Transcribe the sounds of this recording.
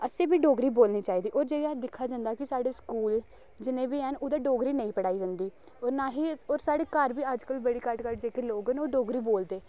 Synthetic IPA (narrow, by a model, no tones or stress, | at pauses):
əsẽːbiːɖoːɡɾiːboːlniːt͡ʃaːiːd̪iːʔoːɾd͡ʒeːɡad̪ɪkʰːaːd͡ʒãːnd̪aːkɪsaːɽeːskuːl | d͡ʒɪnẽːbiːɦənoːd̪aːɖoːɡɾiːnəĩːpəɽaːiːd͡ʒə̃nd̪iː | oːɾnaːɦiːoːɾsaːɽeːkəɾbiːəd͡ʒkəlbəɽiːkəʈkəʈ̚d͡ʒeːkeloːɡɦənoːɖoːɡɾiːboːld̪eː